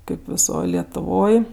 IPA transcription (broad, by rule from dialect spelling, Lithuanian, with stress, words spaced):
ˈkɐɪp ʋʲɪˈsoːj lʲiɛtʊˈʋoːj